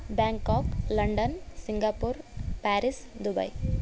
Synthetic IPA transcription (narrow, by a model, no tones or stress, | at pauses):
baːŋkaːklɐɳɖənsiŋɡaːpuɾpæːɾisd̪ubɐ̰j